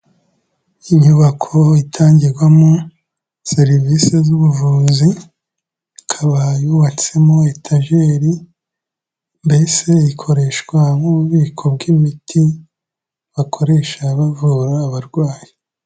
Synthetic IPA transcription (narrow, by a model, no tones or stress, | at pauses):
iɲuβakʰo̞itʰaːɲɟiɾɡwamo | seɾivisezuβuvuːzi | kʰaβajuβat͡se̞moetʰaʒe̞ɾi | mbe̞se̞ikʰo̞ɾe̞ʃɡwamuβuβiːkʰo̞bɡimitʰi | βakʰo̞ɾe̞ʃaːβavuːɾaːβaɾɡwaːji